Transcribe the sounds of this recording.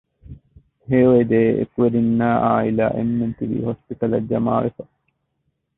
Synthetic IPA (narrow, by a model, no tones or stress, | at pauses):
heːʋed̪eːḛkuʋeɾinːaːʔaːila̰ːʔenːent̪iʋḭːhospit̪ɐlɐd͡ʒɐmaːʋefɐ̥